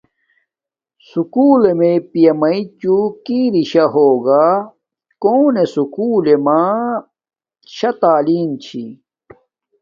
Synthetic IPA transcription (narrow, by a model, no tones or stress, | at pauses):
sukuːlemepijɐmɐit͡ɕukiɾiɕɐɦoːɡa | koːnesukuːlema | ɕɐt̪aːliːnt͡ɕʰḭ